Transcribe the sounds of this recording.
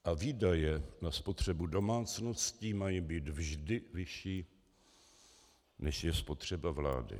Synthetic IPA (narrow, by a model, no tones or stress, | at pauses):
ʔaviːdajɛnaspo̞t̪r̝̥ɛbudo̞maːt͡sno̞sciːmajibiːt̪vʒdɪvɪʃiː | nɛʃjɛspo̞t̪r̝̥ɛbavla̰ːdɪ̰